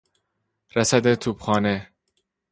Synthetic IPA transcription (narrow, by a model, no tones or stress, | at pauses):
ɾæsæd̪et̪ʰuːb̥xɒːne